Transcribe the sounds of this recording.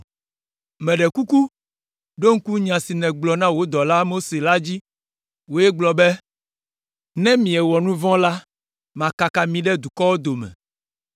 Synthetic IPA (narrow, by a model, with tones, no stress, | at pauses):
mɛ̃˨ɖɛ˨ku˦ku˦ | ɖo˦ŋ̩˦ku˦ɲã˨si˨nɛ̃˨ɡ͡blɔ˨nã˦wo˦d̪ɔ˨la˦mo˦se˨la˦d͡ʑi˦ | wo˦jɛ˦ɡ͡blɔ˨bɛ˦ | nɛ̃˦mĩ˨ɛ˨wɔ˨nũ˦vɔ̃˦la˦ | mã˨ka˨ka˨mĩ˨ɖɛ˦d̪u˨kɔ˦wo˦d̪o˨mɛ̰̃˨